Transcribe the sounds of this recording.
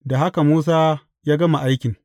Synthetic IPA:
da˨ɦa˦ka˨muː˦s̬aː˦ | jaː˦ɡɐ˦ma˨ʔa˦jkʲɪ˨ŋ

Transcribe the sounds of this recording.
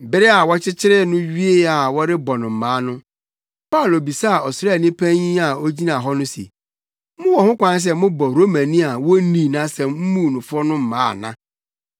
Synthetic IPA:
bɪ˦ɾɪ˦a˨wɔ˦t͡ɕʰɪ˦t͡ɕʰɪ˦ɾɪ˦nʊ̃˦ɥi˦e˦˨a˨wɔ˦ɾɪ˦bɔ˨nʊ̃˨m̩˨mãː˨˦nʊ̃˦ | pa˦˨lo˨bi˨sa˦a˨ɔ˨sɾnĩ˦pʰæ̃˦ɲĩ˦a˨o˦d͡ʑi˦nã˨ɦɔ˦nʊ̃˦sḭ˨ | mʊ̃˦wɔ˨hʊ̃˦kʷã˦n˦s̬ɛ˦mʊ̃˦bɔ˨ɾo˦mã˨nĩ˦a˨wɔ˦nĩ˨nã˦sɛ˨m̩˦mũ˦˨nʊ̃˨fʊ˦ɾɔ˦nʊ̃˦m̩˨mã̰ː˦˨nã˦

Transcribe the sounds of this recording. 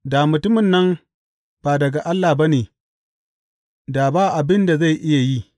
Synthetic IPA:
da˨mʊ˨tʊ˦mɪ˨nːɐ˦m | b̥a˨dɐ˨ɡa˨ʔa˦lːa˨ba˦neː˨ | daː˨baː˦ʔa˨bɪ˦nda˨za˦˨jʔɪ˦ja˨ji˦

